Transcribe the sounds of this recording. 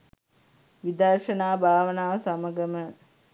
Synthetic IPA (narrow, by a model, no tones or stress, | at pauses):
ʋid̪ɐrʃənaːbʱaːʋənaːʋsaməɡəmə